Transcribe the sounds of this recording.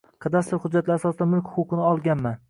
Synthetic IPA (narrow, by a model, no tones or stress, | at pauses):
qʰɑd̪ast̪ʊɾhʊd̪d͡ʒːat̪laɾasɒsɪd̪anmʊlˠkʲhʊ̥kʰʊqʰɨnɪɒlˠɡʲanman